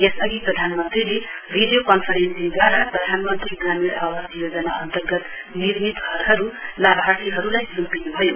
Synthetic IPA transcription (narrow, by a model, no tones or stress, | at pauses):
jesʌɡiprʌd̪ʱanmʌnt̪rileriɖjokʌnpʰʌɾensiŋɡaɾaprʌd̪ʱanmʌnt̪riɡramiɾʌbʌt̪jod͡zʌnaʌnt̪ʌrɡʌt̪ | nirmit̪ɡʱʌɾɦʌɾulabʱat̪ʰiɦʌɾulajsumpinubʱʌjo